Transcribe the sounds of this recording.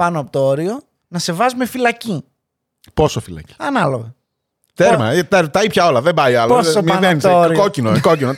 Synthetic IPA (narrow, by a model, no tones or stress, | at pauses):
pɐnoɐpot̪ooɾio̞ | nɐse̞vɐzume̞filɐci | po̞sofilɐ̰ci̥ɐnɐloɣɐ | t̪eɾmɐ̰t̪eɾt̪ɐipçɐo̞lɐðembɐjɐlɐosomieenisooɾikocinokocino